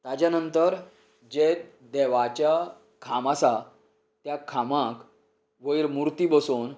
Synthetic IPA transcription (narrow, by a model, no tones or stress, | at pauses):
t̪ad͡ʑjanənt̪əɾ | d͡ʑet̪ | d̪ɛʋat͡ɕja | kʰamasa | t̪jakʰamãk | ʋəjɾmuɾt̪ibəson